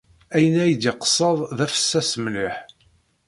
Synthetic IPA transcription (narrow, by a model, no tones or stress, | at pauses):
æjənæjəd̪iqə̥sˤːəðˤðæfə̥sːæsəmliħ